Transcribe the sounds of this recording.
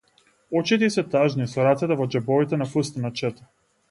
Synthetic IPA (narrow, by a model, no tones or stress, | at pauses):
ɔt͡ʃit̪ɛisɛt̪aʒnisɔɾat̪sɛt̪ɛvɔd͡ʒɛbɔvit̪ɛnafəst̪nat͡ʃɛt̪ḁ